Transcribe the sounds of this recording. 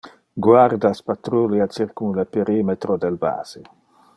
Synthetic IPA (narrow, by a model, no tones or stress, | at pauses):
ɡwaɾd̪aspat̪ɾuljat͡ʃiɾkunlepeɾimet̪ɾod̪elba̰ːz̥e